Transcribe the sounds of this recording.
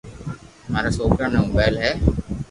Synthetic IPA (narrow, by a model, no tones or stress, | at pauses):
maːɾasoːkɾanẽũːbɛːlɦɛː